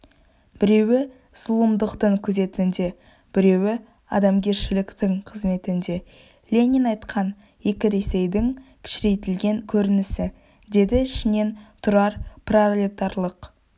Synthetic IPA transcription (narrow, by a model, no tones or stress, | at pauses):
bɪɾe̞wɪ | slˠəmd̪əqt̪əɴkʲʰɵze̞t̪ɪnd̪e̞ | b̥ɪɾe̞wɪ | ɑ̰d̪ɑmɡʲe̞ɾʃɪlɪkt̪ɪŋqʰəzme̞t̪ɪnd̪e̞ | lʲe̞nʲinɑjt̪qʰɑn | je̞kʲɪɾe̞se̞jd̪ɪŋkʲʰɪ̥ʃɪɾe̞jt̪ɪlɡʲe̞ŋkʲʰɵɾɪnɪsɪ | d̪e̞d̪ɪɪʃɪne̞nt̪ʰʊɾɑɾpralʲit̪ɑɾlˠəq